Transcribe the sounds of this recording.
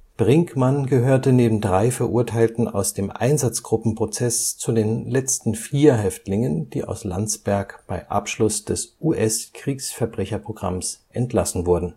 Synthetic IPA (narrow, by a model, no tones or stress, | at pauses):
b̥ʁɪŋkmanɡəɦøːɐtəneːbm̩dʁaɪfɛɐʔuːɐtʰaɪltn̩a̰ʊsd̥eːmʔa̰ɪnzat͡sɡ̥ʁʊpm̩pʁ̥ot͡sɛst͡sudeːnlɛt͡stn̩fiːɐɦɛftlɪŋənd̥iːʔa̰ʊsla̰nt͡sb̥ɛɐkb̥aɪʔa̰pʃlʊsd̥ɛsʔuːʔɛskʁ̥iːksfɛɐbʁɛçɐpʁ̥oɡʁa̰msʔɛntlasn̩vʊɐdn̩